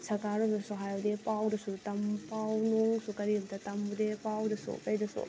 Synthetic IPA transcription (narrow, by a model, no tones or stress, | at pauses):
sɐkaɾɔmdɐsuɦajdepawdɐsutɐmpawnuŋsukɐɾibdɐtɐmbudepawdɐsṵpɐjdɐsṵ